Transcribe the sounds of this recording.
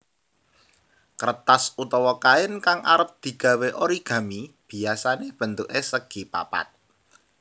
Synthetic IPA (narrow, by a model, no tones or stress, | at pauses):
kəɾət̪asut̪ɔwɔkaɪnkaŋʔa̰ɾəp̚d̪̥i̤ɡ̥ä̤weʔoɾiɡ̥ä̤mib̥i̤asaneb̥ə̤nt̪uʔesəɡ̥ipa̰pa̰t̪̚